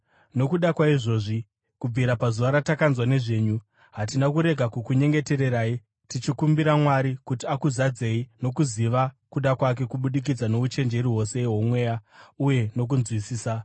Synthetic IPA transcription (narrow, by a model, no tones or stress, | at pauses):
no̞kuɗakwaiʐo̞ːʐi | kub͡viɾapazuʋaɾatakanzwane̞ʐe̞ːɲu | ɦatinakuɾe̞ɡʱakukuɲe̞ŋɡe̞te̞ɾe̞ɾaːi | tit͡ʃikumbiɾamwaɾikutiakuzad͡ze̞ino̞kuziʋa | kuɗakwak̬e̞kuɓuɗik̬id͡zano̞ut͡ʃe̞nd͡ʒe̞ɾiɦo̞se̞ɦomwe̞ːjauje̞no̞k̬unzwisiːsa